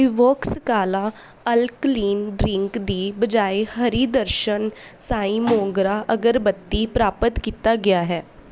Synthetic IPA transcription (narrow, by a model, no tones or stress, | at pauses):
ɪʋoːkskaːlaː | əlkliːnɖɾɪ̃ŋkd̪iːbəd͡ʒaːehəɾiːd̪əɾʃənsaːĩːmõːŋɡɾaːʔəɡəɾbət̪ːiːpɾaːpət̪kiːt̪aːɡɪaːɦɛː